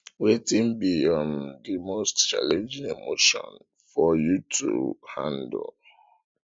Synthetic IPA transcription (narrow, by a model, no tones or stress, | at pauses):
wetĩmbiɔ̃ndimostt͡ʃa̰lẽnd͡ʒĩŋemoʃɔ̰̃n | fɔjutʰṵhã̰nd̰l